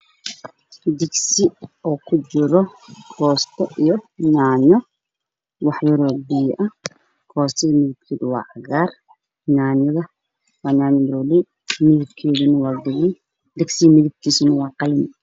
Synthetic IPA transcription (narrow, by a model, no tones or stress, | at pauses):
d̪ɪɡsɪɔːkʰʊt͡ʃɪɾɔkʰɔːst̪ʰɔʔijɔnaːnɔ | wɑħjɔɾɔbijʔɐh | kʰɔːst̪ʰɛimɪðɪb̚kʰiːðʊwɑ̰ːʕɑɣaːr | naːnɪðɐ | wɑːnaːnɪmɾli | mɪðɪbkʰɛːðʊnɐwɑːd̪ɪɣɛj | d̪ɪɡsimɪðɪb̚kʰiːsʊnɐwɑːqɑlɪn